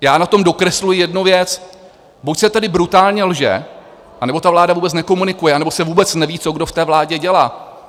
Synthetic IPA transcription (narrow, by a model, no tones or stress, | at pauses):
jaːnat̪o̞mdo̞kɾɛslujɪjɛdnuvjɛt͡s | bucsɛt̪adɪbɾut̪aːlɲɛlʒɛ̰ | ʔanɛbo̞t̪avlaːdavuːbɛt͡snɛko̞munɪkujɛʔanɛbo̞sɛvuːbɛt͡snɛviːt͡so̞ɡdo̞ft̪ɛːvlaːɟɛɟɛlaː